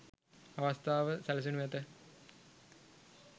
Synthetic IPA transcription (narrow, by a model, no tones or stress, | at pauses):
aʋɐst̪aːʋəsɛls̬unuʋɛt̪ə